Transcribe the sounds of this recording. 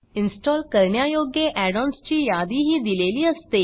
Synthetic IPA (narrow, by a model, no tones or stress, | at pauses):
insʈɔlkəɾɳjajoɡjeʔɛɽɔnst͡ɕiːjad̪iɦiːd̪ileliːəst̪e